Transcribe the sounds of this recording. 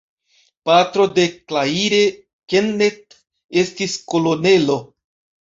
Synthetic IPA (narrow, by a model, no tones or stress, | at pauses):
patɾo̞de̞klaiɾe̞ | kenːet | e̞stisko̞lo̞ne̞lo̞